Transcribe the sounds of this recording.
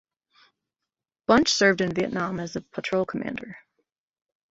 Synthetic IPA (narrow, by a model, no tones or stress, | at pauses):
b̥ʌ̃nt͡ʃsɜ˞vdɨ̃nviɨ̰ʔⁿnɑ̃mɨzəpʰətʰɹ̥oʊlˠkʰəmæ̰̃ndə̰˞